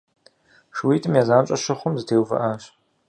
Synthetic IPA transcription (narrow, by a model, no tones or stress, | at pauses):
ʂwiːtʰʼɨmjaːzaːnt͡ɕʼɐʃɐχʷʊmzɨtʰeːwfɐ̰ʔɐɕ